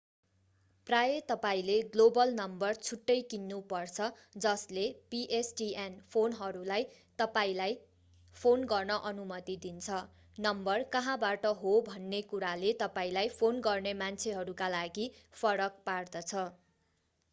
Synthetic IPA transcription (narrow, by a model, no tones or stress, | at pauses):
prajet̪ʌpaĩleɡlobʌlnʌmbʌrt͡sʰuʈːʌjkinːupʌrt͡sʰʌ | d͡zʌslepiʔesʈienpʰonɦʌɾulaj | t̪ʌpaĩlaj | pʰonɡʌrnʌʔʌnumʌt̪id̪int͡sʰʌ | nʌmbʌrkʌɦãbaʈʌɦobʱʌnːekuɾalet̪ʌpaĩlajpʰonɡʌrnemant͡sʰeɦʌɾukalaɡipʰʌɾʌk̚pard̪ʌt͡sʰʌ